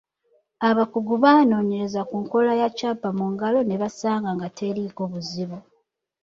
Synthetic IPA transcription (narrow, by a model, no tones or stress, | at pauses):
aβakuɡuβaːno̞ːɲe̞ɾe̞zakuŋko̞lajacaːpamuŋɡalo̞ne̞βasaːŋɡaŋɡatʰeɾiɡoβuziβo